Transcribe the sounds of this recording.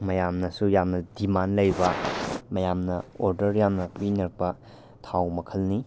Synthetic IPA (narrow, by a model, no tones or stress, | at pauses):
mɐjamnɐsujamnɐdimanlɐjbɐmɐjamnɐoɾdɐɾjamnɐpinɐk̚bɐ | tʰawmɐkʰɐlni